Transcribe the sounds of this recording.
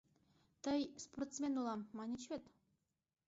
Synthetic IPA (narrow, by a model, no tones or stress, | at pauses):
t̪əjsport̪smʲenulˠɑmːɑnʲit͡ɕvʲet̪